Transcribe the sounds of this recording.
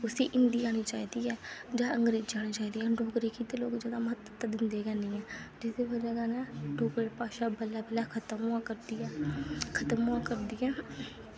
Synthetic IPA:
ʊsḭːʔɪnd̪iːaːñiːt͡ʃaːiːd̪iːɛːd͡ʒãːəŋɡɾeːd͡ʒaːñiːt͡ʃaːiːd̪iːɛːɖoːkɾiːkiːt̪eloːkd͡ʒaːd̪aːməɦət̪ːət̪əd̪ɪnd̪eːɡɛːnĩːɛ̃ːd͡ʒɪsd̪eːbəd͡ʒaːɡaːnãːɖoːkɾeːpaːʃaːbəlaːbɪlaːkʰət̪əmɦʊãːkəɾd̪iːɛːkʰət̪əmʊãːkəɾd̪iːɛː

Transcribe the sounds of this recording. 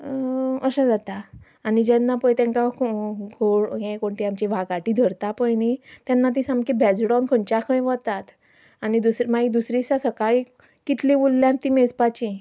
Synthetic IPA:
əsə̃d͡zat̪aː | nid͡ʑɛnːapəjt̪jãŋkakoɡʱoɭjẽkoɳʈiamt͡ɕiʋʱaɡaʈid̪ʱəɾt̪apəjnit̪janːat̪̬ĩsãmkebʱɛd͡zɽawnkʰəɳt͡ɕakʰə̃jʋət̪at̪ | anid̪usɾmaid̪usɾisasəkaɭi | kit̪lĩʋulːjãnt̪ĩmed͡zpat͡ɕi

